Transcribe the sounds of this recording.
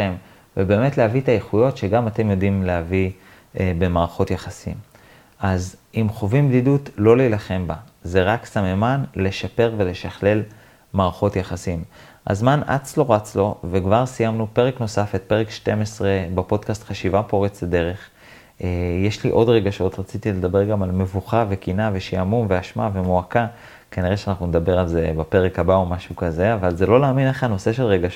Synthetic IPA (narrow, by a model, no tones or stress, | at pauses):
em | vebe̞ːme̞tlehavit̪ajeχujo̞tʃeɡamate̞mjo̞dimlehavi | be̞maːʁaχo̞t̪jaχasḭm | azimχo̞vimbdidutlo̞lilaχe̞mba | ze̞ʁaksamemanle̞ʃape̞ʁve̞le̞ʃaχle̞l | maːʁaχo̞tjaχasim | a̰zmana̰t͡slo̞ʁat͡slo̞vekvaʁsijamnupe̞ʁekno̞safet̪̚pe̞ʁekʃte̞mesʁe̞bapo̞d̪kast̪χaʃivapo̞ʁet͡sled̪e̞ʁeχ | jeʃliʔo̞dʁe̞ɡaʃo̞t̪ʁat͡sit̪ile̞d̪abe̞ʁɡamalme̞vuχave̞kinaveʃeamumveaʃmavemoaka | kaniʁeʃeanaχnuned̪abe̞ʁalzebape̞ʁekabaomaʃukaze̞avalzelo̞laːmineχano̞se̞ʃe̞lʁeɡaʃ